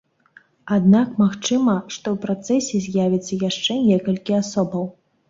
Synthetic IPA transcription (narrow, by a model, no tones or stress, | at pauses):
ad̪nakmaxt͡ʂɨmɐʂt̪ɔwpɾat̪sɛsʲɛzʲjavʲit̪sːɐjaʂt͡ʂɛnʲɛkɐlʲkʲiasɔbɐw